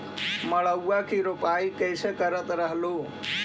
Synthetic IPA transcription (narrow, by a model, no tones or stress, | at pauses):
məɭəwːakiɾopaikəɪsekəɾət̪ɾəɦlo